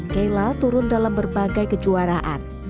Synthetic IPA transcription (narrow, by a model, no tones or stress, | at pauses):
kajlat̪uɾʊndalambərbaɡajkəd͡ʒuaɾaʔa̰n